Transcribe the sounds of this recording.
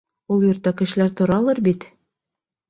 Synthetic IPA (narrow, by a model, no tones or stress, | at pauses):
ulˠjŏɾt̪ːɑkɘ̆ʃɘ̆læɾt̪ŏɾɑlˠɤɾbit̪